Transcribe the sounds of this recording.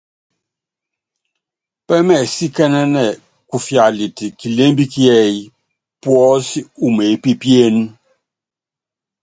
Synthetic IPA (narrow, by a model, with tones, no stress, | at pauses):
pɛ˦mɛ˨si˦kɛ˦nɛ˦nɛ˨ | ku˨fja˨li˨ti˨ki˨le˦mbi˦ki˦ɛ˦˨˦ | pwɔ˦si˦u˨me˨˦pi˦pje˦n˦